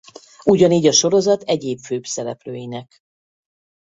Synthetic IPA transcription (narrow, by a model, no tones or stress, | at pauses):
uɟɒniːɟɒʃo̞ɾo̞zɒt̪ɛɟeːpføːbsɛɾɛpløːjinɛk